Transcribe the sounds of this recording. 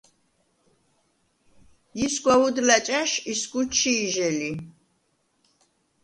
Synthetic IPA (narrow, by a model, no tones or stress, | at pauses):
jisɡwaud̪lat͡ʃʼaʃisɡut͡ʃʰːiːʒɛli